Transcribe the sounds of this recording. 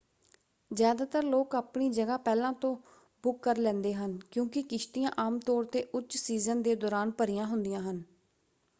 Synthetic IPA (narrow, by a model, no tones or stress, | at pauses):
zjaːd̪aːt̪əɾloːkaːpɳiːd͡ʒəɡaːpɛːlãːt̪õː | bʊkːəɾlɛ̃ːnd̪eːɦənkjõːkɪkɪʃt̪ɪjãːʔaːmt̪ɔːɾt̪eːʔʊtːʃsiːzənd̪eːd̪ɔːɾaːnpəɾɪjãːɦʊnd̪ɪjãːɦən